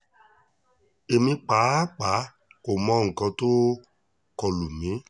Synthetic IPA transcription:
e˨mĩ˧k͡pa˨˦k͡pa˨˦ | o˨mɔ̃˧˦ŋ̩˨kɔ̃˧toː˦ | kɔ˧lu˨mĩ˨˦

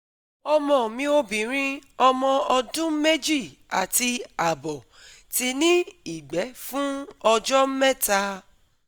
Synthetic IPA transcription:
ɔ˧mɔ̃˨mĩ˧˦o˧bĩ˨ɾ̃ĩ˧ɔ˧mɔ̃˧ɔ˧dũ˦me˦d͡ʒi˦˨ | a̰˨ti˧a˨bɔ˨ | ti˧nĩ˦i˦˨ɡ͡bɛ˨˦fũ˦ɔ˧d͡ʒɔ˦m̩˦mɛ˦ta˧

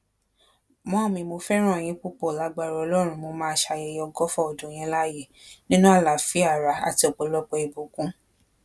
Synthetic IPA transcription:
mɔ̃˨˦˨mĩ˧mo˧fɛ˦ɾ̃ɔ̃˦˨j̃ĩ˧˦k͡pu˦k͡pɔ˨la˨˧ɡ͡ba˧˨ɾɔ˨˧ɔ˧lɔ˦ɾ̃ũ˧mo˧mãː˦ʃa˧jɛ˧˨jɔ˧ɡɔ˦fɔ˦˨ɔ˨dũ˨j̃ĩ˧˦la˦je˦˨nĩ˦nũ˦a˦˨la˨fi˨˦a˦˨ɾa˧˦a̰˨ti˧˦ɔ˨k͡po˨lɔ˦k͡pɛ˧i˨bu˨kũ˦

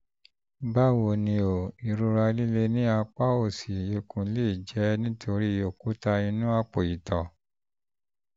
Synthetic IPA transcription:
ba˦wo˧˨nĩ˧o˨i˨ɾu˧ɾa˧li˦le˦nĩ˦a˧k͡pa˦o˦˨si˨je˧kũ˨˦le˦i˨d͡ʒɛ˨˦nĩ˦tʰo˧ɾi˦˨jo˦˨ku˨˦ta˧i˧nũ˦a˧k͡po˨i˨tɔ˨

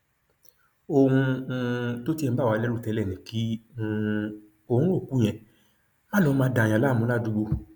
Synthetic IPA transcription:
o˧hũ˧ | to˦tĩ˦˧˦ba˦˨wa˨˧lɛ˦ɾu˦˨tɛ˧˦lɛ˦˨nĩ˨˦kĩ˦˧ | o˧˨hũ˦o˦˨ku˨˦j̃ɛ̃˨ | mã˦lɔ˧˦mãː˧˦dã˨j̃ã˨la˦˨mũ˨˦la˦˨du˧˦ɡ͡bo˧

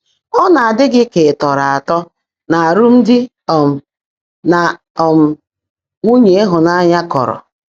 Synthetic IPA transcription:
ɔ˦na˨a˨dɪ˦ɡɪ˦ke˨tɔ˨ɾa˨a˨tɔ˦ | na˨a˨ɾʊ˦m̩˦dɪ˦ | ɔ˨m̩˨ | na˨ | ɔ˨m̩˨ | ŋʷu˦ɲe˦e˦ɦʊ˨na˦ɲa˦kɔ̰˨ɾɔ̰˨

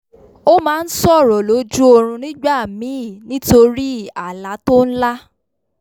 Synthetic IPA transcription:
o˦mãː˨˦˧n̩˦sɔ˦˨ɾɔ˨lo˨˦d͡ʒu˦o˧ɾ̃ũ˧nĩ˦ɡ͡ba˦˨mĩ˨˦˨nĩ˦to˧ɾi˦a˨la˨˦to˦n̩˦la˦

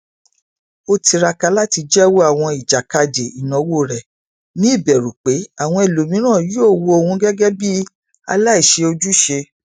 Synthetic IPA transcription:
o˧ti˧ɾa˧ka˧la˦ti˧d͡ʒɛ˦wo˦a˦˨w̃ɔ̃˧i˨d͡ʒa˨ka˧d͡ʒe˨i˨nɔ̃˨wo˦˨ɾɛ˨ | nĩ˦i˦˨bɛ˨ɾu˨k͡pe˨˦a˦˨w̃ɔ̃˧e˨lo˨mĩ˨˦ɾ̃ãː˦˨joː˦˨wo˧o˨˧hũ˧ɡɛ˦ɡɛ˦bi˦ | a̰˧la˦i˦˨ʃe˧o˧d͡ʒu˦ʃe˧

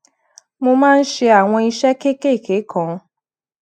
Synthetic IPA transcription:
mo˧mãː˦n̩˦ʃe˧a˨w̃ɔ̃˧i˧ʃɛ˦ke˦ke˦˨kʰe˨˦kʰɔ̃˨˧

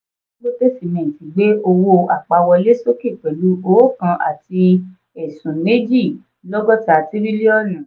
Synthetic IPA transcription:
lo˦be˦˨fi˨nɛ̃˨ti˨˦ɡ͡be˦o˧wo˧a˨k͡pa˧wɔ˧le˦so˦ke˦˨k͡pɛ˨lu˨˦o˨˦kã˧ʔa̰˨ti˧ | ɛ˨sũ˨ne˦d͡ʒi˦˨ | lɔ˦ɡɔ˦ta˧˨ti˦ɾi˦li˦ɔ˦˨nã˨

